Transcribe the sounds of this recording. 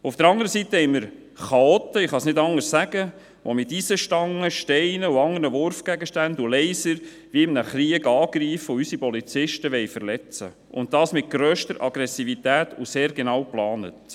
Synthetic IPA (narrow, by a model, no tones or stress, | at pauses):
ufd̥̪əɾɑŋdəɾəsitːəhɛɪməɾ | χɑɔt̪ːəɪχɑsnɪdɑŋəssæɡ̥ə | ʋomɪtisəʃtɑŋːəʃtɛɪnəuɑŋdəɾnəʋʊɾfɡ̥æɡəʃtændulɛɪsəɾ | ʋiɪmnəχɾiəɡɑːɡɾiːfəʊysipɔlit͡sɪʃtəʋɛɪfəɾlɛt͡sə̰ | ʔʊ̰nttɑːsmɪt̚ɡ̥ɾœːʃtəɾʔɑ̰ɡ̥ɾɛsivit̪æːtuseːɾɡenɑːwplɑːnə̰t